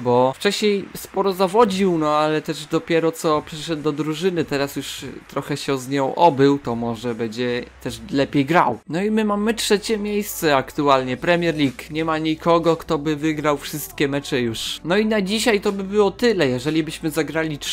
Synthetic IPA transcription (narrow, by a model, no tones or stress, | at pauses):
bɔft͡ʂɛɕɲejspɔɾɔzavɔd͡ʑiwnɔalɛt̪ɛʐd̪ɔpʲjɛɾɔt̪sɔpʂɘʂɛd̪̚d̪ɔd̪ɾuʐɘnɘt̪ɛɾasjuʂt̪ɾɔxɛɕɛzɲɔ̃w̃ʔɔbɘwt̪ɔmɔʐɛbɛd͡ʑɛt̪ɛʂlɛpʲjejɡɾawnɔimɘmamɘtʂɛt͡ɕɛmʲjejst̪sɛakt̪ualɲɛpɾɛmʲjɛɾlʲikɲɛmaɲikʰɔɡɔkt̪ɔbɘvɘɡɾawfʂɘst̪kʲɛmɛt͡ʂɛjuʂnɔinad͡ʑiɕajt̪ɔbɘbɘwɔt̪ɘlɛjɛʐɛlʲibɘɕmɘzaɡɾalʲi